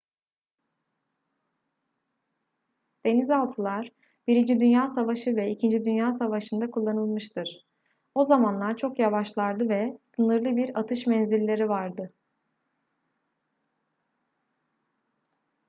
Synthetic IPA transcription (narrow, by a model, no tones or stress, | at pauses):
d̪̥e̞nizalˠt̪ʰɯlˠaɾ̥ | b̥iɾind͡ʒid̪ynjaːsavaʃɯvɛicʰind͡ʒid̪ynjaːsavaʃɯnd̪akʰulˠːanɯlˠmɯʃt̪ʰɯɾ̥ | o̞zamanlˠaɾt͡ʃʰo̞kjavaʃlˠaɾd̪ɯvɛsɯnɯɾlˠɯbiɾat̪ʰɯʃmɛnzilʲːe̞ɾivaɾd̪ɯ